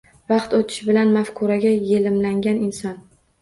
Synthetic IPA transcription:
vɑqt̪ot̪ʰɪ̥ʃbɪlanmafkʰʊɾaɡʲajelɪmlaŋɡʲanɪnsɒn

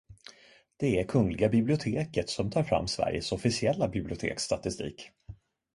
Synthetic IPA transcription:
d̪̥ɛæɾkʰɵŋlɪɡabɪblɪʊt̪ʰeːkət̪sɔmt̪ʰɑːɾfɾa̰mːsvæ̰ɾjəsɔfɪsɪɛlːabɪblɪʊt̪ʰḛːkst̪at̪ɪst̪ḭːk

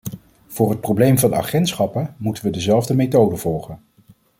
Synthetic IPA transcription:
v̥ʊːrɦət̚prowblejmvɑnɑ̰χɛntsχɑpənmutənʋədəzɛlˠvdəmetowdəv̥ɔlˠχən

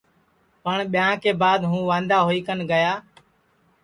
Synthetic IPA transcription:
pəɳɓɪjãːkeːbaːd̪ɦũːʋãːnd̪aːɦoːiːkənɡəjaː

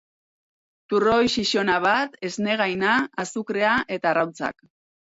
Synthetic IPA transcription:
t̪uro̞jʃiʃo̞naβ̞at̪e̞zne̞ɣ̞ajnaːsukɾe̞aʔe̞t̪arawt͡sa̰k

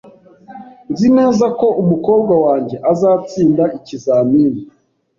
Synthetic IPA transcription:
nzine̞ːzako̞ʔumuko̞ːb̚ɡawaːɲɟe̞ʔazaːt͡siːndaicizaːmiːni

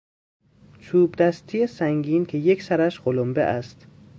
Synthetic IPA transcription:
t͡ʃʰuːbd̪æst̪ʰijesæŋɡiːncʰe̞jecʰsæɾæʃɢolombḛʔæst̪

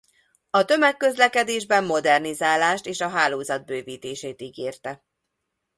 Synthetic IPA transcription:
ɒt̪ø̞mɛkːø̞zlɛkɛd̪eːʒbɛmːo̞d̪ɛrnizaːlaːʃt̪eːʃɒɦaːloːzɒd̪̚bøːviːt̪eːʃeːt̪iɡeːrt̪ɛ

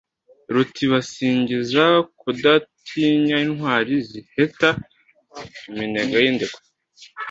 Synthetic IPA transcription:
ɾutʰiβasiːɲɟizakudatʰiɲainhwaːɾiziheta | mineɡajiːndeko̥

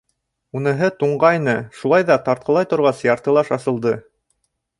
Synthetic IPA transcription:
unɤ̆ɦɤt̪uɴɢɑjnɤʃulˠɑjðɑt̪ɑɾt̪̚qɤlˠɑjt̪ŏɾʁɑsjɑɾt̪ɤ̆lˠɑʃɑsɤ̆lˠd̪ɤ

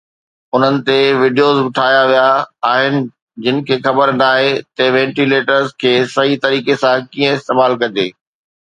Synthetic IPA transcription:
ʊn̤ənɪ̆t̪eʋɪɖijoːzʋɪʈʰaːjaʋijaːɦɪnɪ̆ | d͡ʑɪnɪ̆kʰeːxɐbəɾnaːɦet̪ɐʋɛ̃ːɳʈileːʈəɾzkʰeːsɐɦit̪ɐɾiːkesãkiːə̃ɪst̪eːmaːlkɐd͡ʑeː

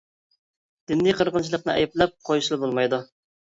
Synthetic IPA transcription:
d̪̥ɪnːijqʰəɾʁənt͡ʃʰilˠəqnɨ̰ɛ̰jɛplɛp̚qʰojʃlˠɨbolˠmɑjd̪u

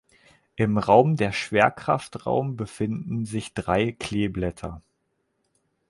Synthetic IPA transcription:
ʔɪmʁaʊmdeːɐʃv̥eːɐkʁ̥a̰ftʁa̰ʊmbəfɪndn̩zɪçd̥ʁaɪkʰl̥eːblɛtʰɐ̰

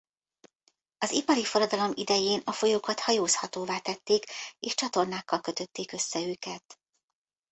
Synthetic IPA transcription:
ɒzipɒɾifo̞ɾɒd̪ɒlo̞mid̪ɛjeːnɒfo̞joːkɒt̪hɒjoːshɒt̪oːvaːt̪ɛt̪ːeːkeːʃt͡ʃɒt̪o̞rnaːkːɒlkø̞t̪ø̞t̪ːeːkø̞sːɛøːkɛt̪

